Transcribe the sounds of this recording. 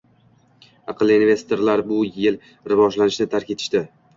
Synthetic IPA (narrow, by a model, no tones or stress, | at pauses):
ɑqʰɨlːˠiinve̞st̪ʰoɾlaɾbʊjɪl | ɾɪvɒʒlanɪʃnɪt̪ʰaɾkʲe̞t̪ʰɪ̥ʃt̪ɪ